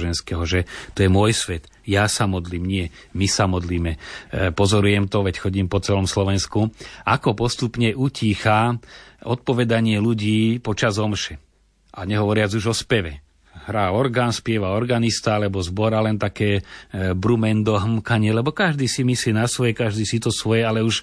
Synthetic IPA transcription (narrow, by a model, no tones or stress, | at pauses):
ʒɛnskɛɦɔʒɛt̪ɔjɛmʊɔjsʋɛt̪ | jasamɔd̪liːmɲɪɛmisamɔd̪liːmɛpɔzɔɾujɛmt̪ɔʋɛcxɔɟiːmpɔt͡sɛlɔmslɔʋɛnskuakɔpɔst̪upɲɛʔuciːxa | ɔt̪̚pɔʋɛd̪aɲɪɛluɟiːpɔt͡ʃazɔmʃɛ | ʔaɲɛɦɔʋɔɾɪad͡zuʒɔspɛʋɛ | ɦɾaːɔɾɡaːnspɪɛʋaɔɾɡanist̪aalɛbɔzbɔɾalɛnt̪akɛːbɾumɛnd̪ɔɦmkaɲɪɛlɛbɔkaʒd̪iːsimislinasʋɔjɛkaʒd̪iːsit̪ɔsʋɔjɛalɛuʃ